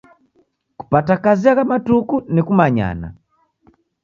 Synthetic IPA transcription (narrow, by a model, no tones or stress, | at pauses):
ku̥patakaziakamatukunikumaɲa̰na̰